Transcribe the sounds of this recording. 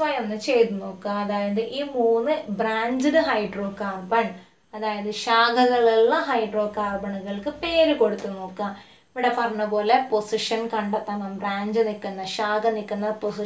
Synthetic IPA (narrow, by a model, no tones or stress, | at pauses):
sʋɐjɐnːɨt͡ɕe̞jt̪unːoːkːɐɐðaːjɐðɨʔiːmuːnːɨbɾaːɲd͡ʑɨɾɨɦɐjɖro̞ːkaːrbɐɳ | ɐðaːjɐðɨɕaːɡʰʱɐɣɐɭiɭːɐɦɐjɖro̞ːkaːrbɐɳuɣɐɭkɨpeːɾɨko̞ɽut̪ːunːoːkːɐ | iʋiɽepɐrɐɲːɐpo̞ːle̞po̞siʂɐnkɐɳɖɐt̪ːɐŋɐmbraːɲd͡ʑɨnikːunːɐɕaːɡɐnikːunːɐposi